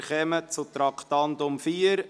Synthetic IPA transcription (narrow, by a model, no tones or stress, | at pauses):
χɛmət͡sut̪ɾɑkʰt̪ɑnd̪ʊmfiːəɾ